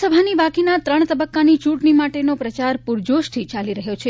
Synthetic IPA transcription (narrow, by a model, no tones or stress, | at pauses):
səbʱanibakinat̪ɾəɳ̃t̪əbəkːanit͡ʃuʈnimaʈenopɾət͡ʃaɾpuɾd͡ʒoʃt̪ʰit͡ʃaliɾəɦjot͡ʃʰe